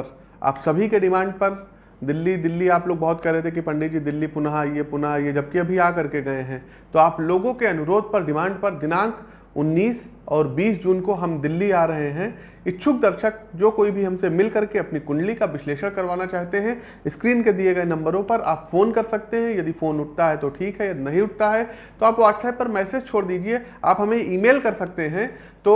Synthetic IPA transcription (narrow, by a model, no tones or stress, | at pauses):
ɾ | a̰ːpsɐbʱikeɖɪmãːɳɖ̚pɐɾ | d̪ɪlːid̪ɪlːiaːploːɡ̚bɐɦʊt̪̚kɛɾeɛɦt̪eɛkipɐ̃ɳɖed͡ʒid̪ɪlːipʊnaɦaijepʊnɦajed͡ʒɐb̚keɐbʱiaːkɐɾkeɡɐeɦɛ̃ː | t̪oaːploːɡõkeɐnʊɾoːd̪̚pɐɾɖɪmãːɳɖ̚pɐɾd̪ɪnãːŋk | ʊnːiːs | ɔːɾbiːsd͡ʒuːnkoɦɐmd̪ɪlːiaːɾɐɦeɦɛ̃ | ɪtːʃʰʊk̚d̪ɐɾʃək̚d͡ʒoːkoːibʱiɦɐ̃msemɪlkɐɾkeɐpnikʊ̃ɳɖlikaʋɪsleːʃəɽ̃kɐɾʋaːnat͡ʃaːɦt̪eɦɛ̃ | ɪskɾiːnked̪ieɡɐenɐ̃mbəɾõpɐɾa̰ːpfoːnkɐɾsɐk̚t̪eɦɛ̃jɐd̪ifoːnʊʈ̚ʰt̪aɦɛt̪oʈʰiːkɦɛjɐd̪nɐɦĩʊʈ̚ʰt̪aɦɛ | t̪oaːpʋaːʈsaːɪʈ̚pɐɾmɛːsed͡ʒt͡ʃʰoːɽd̪iːd͡ʒie | a̰ːpɦɐmẽiːmeːlkɐɾsɐk̚t̪eɦɛ̃ | t̪oː